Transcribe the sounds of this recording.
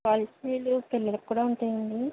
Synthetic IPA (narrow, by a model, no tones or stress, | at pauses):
aːlisiːlupelːɐlɐkːuːɽaːuɳʈujind̪i